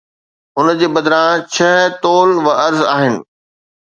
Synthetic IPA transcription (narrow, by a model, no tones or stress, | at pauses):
ʊnd͡ʑeːbɐd̪ɾãt͡ɕʰɐɦt̪oːlʋɐɐɾzaːɦɪnɪ̰̆